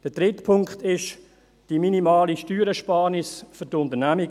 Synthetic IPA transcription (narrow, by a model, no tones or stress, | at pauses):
d̥əd̥ʁɪtpʰʊŋkχtɪʃ | d̥iminimaːliʃtyːɾəʃpɑːɾnɪsfʏtʊntənæmi